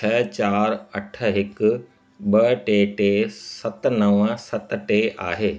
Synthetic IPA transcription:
t͡ɕʰɐt͡ɕaːɾɐʈʰə̆ɦɪkʊ | ɓɐʈeːʈeːsɐt̪nɐʋəsɐt̪ʈeːʔaːɦeː

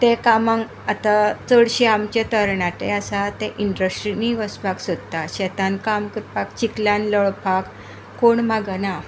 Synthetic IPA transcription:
t̪ẽkamãŋ | at̪at͡səɽɕiamt͡ɕat̪əɾɳat̪easat̪ɛ̃ʔiɳɖəsʈɾiniʋəspaksod̪t̪aɕɛt̪ãnkamkəɾpakt͡ɕiklãnləɭpak | koɳmaɡəna

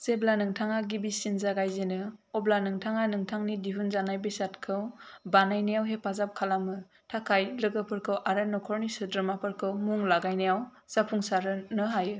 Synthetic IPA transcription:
z̥eblanɯŋtʰaŋaɡibisinzaɡajzenɯɔblanɯŋtʰaŋanɯŋtʰaŋnidiɦunzanajbisatkʰɯwbanajnijawɦepʰazap̚kʰalamɯ | tʰakʰajlɯɡɯpʰɯɾkʰɯwʔaɾanɔkʰɔɾnisɯdɾɯmapɯɾkʰɯwmuŋlaɡajnijaw | z̥apʰuŋsaɾɯnɯɦajɯ

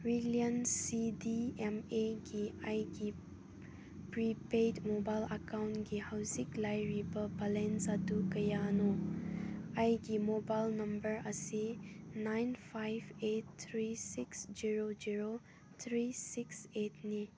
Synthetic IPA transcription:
ɾilijɐnsidiemeɡiajɡi | pɾipejdmobajlɐkawntɡihawziklajɾibɐbalensɐdukɐjano | ajɡimobajlnɐmbəɾɐsinajnpʰajbet̚t̪ʰɾisiksd͡ʒiɾod͡ʒiɾo | t̪ʰɾisikset̚ʰni

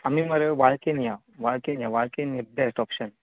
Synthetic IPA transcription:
amiməɾeʋaɭkenja | ʋaɭkenjaʋaɭkenibesʈɔpʃən

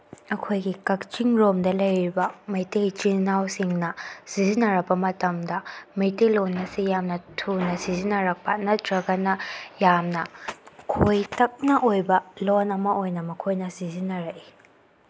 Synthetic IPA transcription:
ɐkʰojɡikɐk̚t͡ʃiŋɾɔmdɐlɐjɾibɐmɐjtejt͡ʃinawsiŋnɐsizinɐɾɐk̚bɐmɐtɐmdɐmɐjtelɔnːɐsijamnɐtʰunɐsizinɐɾɐk̚pɐnɐtɾɐɡɐnɐjamnɐkʰojtɐk̚nɐʔojbɐlɔnɐmɐʔojnɐmɐkʰojnɐsizinɐɾɐʔi

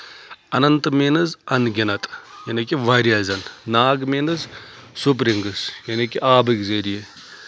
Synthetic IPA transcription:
ɐnɐnt̪meːnɐzɐnɡʲɐnɐt̪jɐnɐkiʋaːɾʲjaːzɐnnaːɡmeːnɐzsup̬ɾiŋɡɐsjɐnikiʔaːbɨkzɐɾije

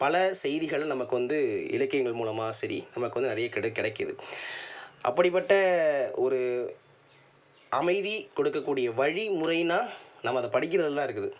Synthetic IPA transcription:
pɐlɐsɛjðɪɣɐɭnɐmɐkːɯʋɐnd̪ɯɪ̰lɐkːɐjɐŋɡɐɭmuːlɐmaːsɐɾḭnɐmːɐkːɯʋɐnd̪ɯnɪɐɾɐjɐkɽɐkɪɽɐkːɯðɯ̰ | ʔɐ̰pːɐɽɪpːɐʈːɐɔɾɯ | ʔɐmɐɪðikɔɽɯkːɐkːuːɽɪjɐʋɐɻimʊrɐɪnaːnɐmːɐðɐpɐɽɪk̬ːɪɾɐðɐlːãːɪɾɯkːɯðɯ

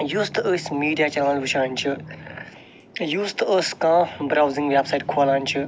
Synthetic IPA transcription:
juːst̪əsʲmiːɖijaːt͡ʃaːnəlʋɨʃãːnʲt͡ʃʰi | juːst̪əskãːbɾaːwzĩŋɡʋʲɛbsajʈ̚kʰoːlaːnʲt͡ʃʰɨ

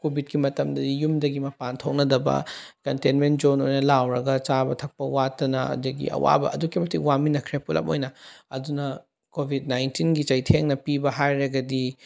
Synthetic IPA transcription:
kobʱit̚kimɐtɐmdɐdijumdɐɡimɐpantʰok̚nɐdɐbɐ̰kɐntenment̚d͡ʒonojnɐlawɾɐɡɐt͡ʃabɐtʰɐk̚pɐwatːɐnɐɐ̰duɡḭʔɐ̰wa̰bɐ̰ɐ̰dukimɐtikwaminɐkʰɾepulʔɐ̰po̰jnɐɐdunɐ | kobʱid̚najntinɡit͡ʃɐjtʰeŋnɐpibɐɦajɾɐɡɐdi

